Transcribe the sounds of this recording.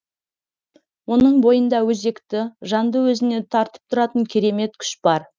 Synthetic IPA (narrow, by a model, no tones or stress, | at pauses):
wo̞nəɴbo̞jənd̪ɑwɵze̞kt̪ɪʒɑnd̪əwɵzɪne̞t̪ʰɑɾt̪ə̥p̚t̪ʰʊɾɑt̪əŋkʲʰe̞ɾe̞me̞t̪̚kʲʰʏ̥ʃb̥ɑɾ